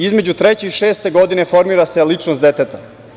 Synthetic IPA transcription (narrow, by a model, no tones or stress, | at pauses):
izme̞d͡ʑut̪ɾet͡ɕeiʃe̞ːst̪e̞ɡo̞d̪ine̞fo̞ɾmiːɾase̞lit͡ʂnosd̪et̪et̪a